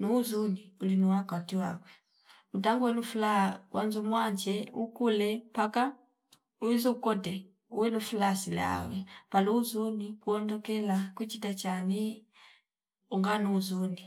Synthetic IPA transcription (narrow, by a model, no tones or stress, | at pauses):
nuːzuniulinuwakatiwakwɛ | utaŋɡuwɛlufulawʔanzumwaɲd͡ʒɛṵkulɛpaka | uiziukɔtɛ | uwɛlufulasila̰wɛpaluːzunikuɔndɔkɛlakwit͡ʃitat͡ʃani | uŋɡanuːzuni